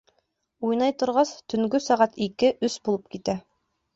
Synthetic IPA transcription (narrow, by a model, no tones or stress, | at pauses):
ujnɑjt̪ŏɾʁɑst̪ɵ̆ŋɡɵsɑʁɑt̪ikɘʔɵsbulˠɤp̚kit̪æ